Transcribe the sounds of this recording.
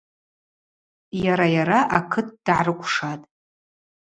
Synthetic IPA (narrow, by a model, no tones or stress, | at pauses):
jaɾajaɾaʔakʰɨt̚ʰd̥ʕarɨkʷʰʼʂatʼ